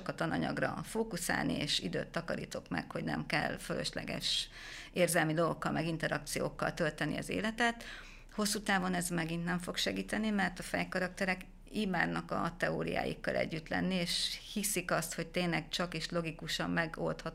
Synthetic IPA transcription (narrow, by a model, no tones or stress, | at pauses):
okɒt̪ɒnɒɲɒ̰ɡrɒ̰foːkusa̰ːlnḭḛːʃid̪ø̰ːt̪ːɒkɒɾiːt̪o̞kmɛ̰kho̞ɟnɛ̰mkɛlfølø̰ʃlɛ̰ɡɛ̰ʃ | eːrzɛlmid̪o̞lo̞kːɒlmʔɛɡint̪ɛɾɒk̚t̪sijo̰ːkːɒlt̪ø̞lt̪ɛniɒzḛːlɛt̪ɛt̪ | ho̞sːuːt̪aːvo̞nɛzmɛɡint̪nɛɱfo̞kʃɛɡiːt̪ɛnimɛrt̪ɒfɛjkɒɾɒk̚t̪ɛɾɛk | iːmaːd̪nɒkɒt̪ɛo̰ːɾḭja̰ːjḭkːɒlʔɛ̰ɟːyt̪lɛ̰nːieːʃhisikɒst̪ho̞ct̪eːnlɛɡt͡ʃɒkeːʃlo̞ɡikuʃɒmːɛɡo̞lt̪hɒt̪